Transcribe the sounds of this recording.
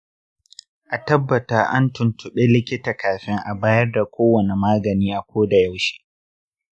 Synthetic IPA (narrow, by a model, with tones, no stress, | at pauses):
ʔa˨tɐ˦bːɐ˨taː˦ʔa̰˦ntʊ˨ntʊ˨ɓe˦lɪ˦kʲɪ˦taː˨kaː˨ɸɪ˦ŋʔa˨baː˦jɐ˦rda˨kʷoː˦wɐ˨ne˨maː˦ɡɐ˨niː˦ʔa˨kʷoː˦da˨ja˦wʃi̥ː˦